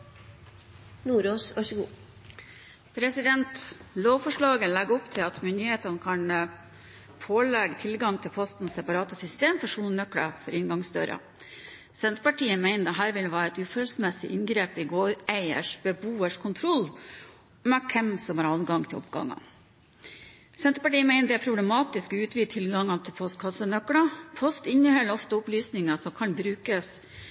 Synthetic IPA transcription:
nuːɾoːsɑʂʊɡuː | pʰɾɛsɪd̪ɛnt̪loːʋfɔʂɭɑːɡəlɛɡɔpt̪ʰɪlɑt̪mʏnd̪ɪheːt̪ɑnəkʰɑn | pʰoːlɛɡət̪ʰɪlɡɑŋt̪ʰɪlpʰɔst̪n̩sɛpɑɾɑːt̪əsʏst̪eːmfɔʂuːnnœkɽə̰fɔɾɪnɡɑŋsd̪ø̰ːɾə̰ | sɛnt̪ɾpɑʈʰiːəmæɪnəd̪ɛɦæːɾʋɪləʋæːɾɛt̪ʉːfølsmɛsɪ̰ʔɪŋɡɾeːpɪɡoːɾʔæɪə̰ʂbəbuːəʂkʰʊnt̪ʰɾɔlː | mɛkʰɛmsɔmhɑɾɑlɡɑŋt̪ʰɪlʔɔ̰pɡɑ̰ŋːɑ̰ | sɛnt̪ɾəpɑʈiːəmæɪnəd̪ɛæpʰɾʊblɛmɑːt̪ɪskɔʉːt̪ʰʋiːt̪ʰɪlɡɑŋːɑt̪ʰɪlpʰɔst̪kʰɑsənœkɽɑpʰɔst̪ɪnːəhœlːəɾɔft̪əʊplyːsnɪŋɑsɔmkʰɑnbɾʉːkəs

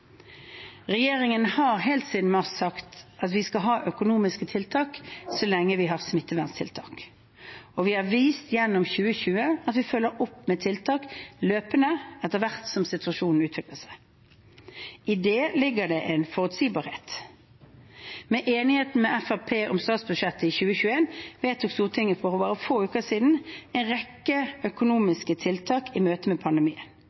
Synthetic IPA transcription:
ʁɛjeːʁɪŋənhɑːʁɦeːlt̪siːd̪n̩mɑʁssɑkt̪ʔɑt̪ʋɪskɑɦɑːʔœkʊnuːmɪskət̪ʰɪlt̪ʰɑːksɔlɛŋːəʋɪɦɑːʁsmɪt̪ːəʋæʁnst̪ʰɪ̰lt̪ʰɑ̰ːk | ɔʋɪhɑʁʋiːst̪jɛnːʊmçʉːəçʉːəɑt̪ʋɪfœlːəɾɔpːmɛːt̪ʰɪlt̪ʰɑːkløːpənəɛt̪ːəʁʋæʁt̪sɔmsɪt̪ʉɑʃuːnn̩ʉːt̪ʋɪkləsæɪ | ɪd̪eːlɪɡːəd̪ɛʔɛnfɔʁʉt̪siːbɑːɾheːt̪ | mɛʔeːnɪheːt̪n̩mɛʔæfæpʰeːʔɔmst̪ɑːt̪sbʉdʂɛt̪ːəɪçʉːəçʉːeːnʋeːt̪ʰːuːkst̪uːʁt̪ʰɪŋːəfɔʁɔbɑːʁəfoːʉːkəsiːd̪n̩ɛɪnʁɛkːəœkʊnuːmɪskət̪ʰɪlt̪ʰɑːkɪmøːt̪əmɛːpʰɑnd̪ɛmiːən

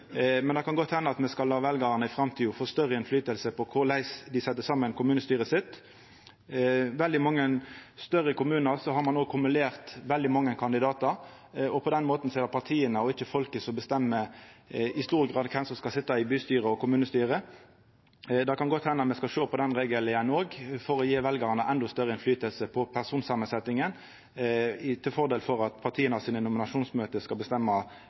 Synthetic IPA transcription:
mɛnd̪ɛkʰɑnɡɔt̪hɛnːəɑt̪mɛskɑlːɑːʋɛlɡɑʁənəɪfɾɑmt̪ʰiːɔfoːst̪œʁəɛnflyːt̪əlsəpʰɔkʰʊɾlæɪsd̪ɪsɛt̪ːəsɑːmːənkʰʊmʉːnəst̪yːʁəsɪt̪ː | ʋɛld̪ɪmɑŋːənst̪œʁəkʊmʉːnəʁsɔɦɑɾmɑnoːɡ̚kʰʊmʉleːʁt̪ʋɛld̪ɪmɑŋːəkʰɑnd̪ɪd̪ɑːt̪ɑɾ | ɔpʰɔd̪ɛnmoːt̪n̩seːd̪əɾpʰɑʁt̪ʰiːənəɔɪçəfɔlkəsɔbəst̪ɛmːə | ɪst̪uːʁɡʁɑːd̪kʰɛmsɔmskɑlsɪt̪ːɑɪbyːst̪yːʁəɔkʊmʉːnəst̪yːʁə | d̪ɑkɑnɡɔt̪hɛnːɑmɛskɑʃoːpʰɔd̪ɛnʁeːɡəlɪənoːɡfɔɾɔjeːʋɛlɡɑʁnəʔɛnd̪ɔst̪œʁːəɪnflyːt̪əlsəpʰɔpʰæʁsuːnsɑːmənsɛt̪ɪŋən | t̪ʰɪlfɔʁd̪eːlfɔɾɑt̪pʰɑʁt̪ʰiːənɑsiːnənʊmɪnɑʂuːnsmøːt̪əskɑlbəst̪ɛmːɑ

